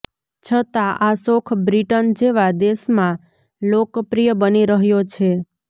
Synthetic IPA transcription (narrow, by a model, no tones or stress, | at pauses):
t͡ʃʰət̪aʔasokʰbɾiʈənd͡ʒeʋad̪eʃmã | lokpɾijəbəniɾəɦjot͡ʃʰe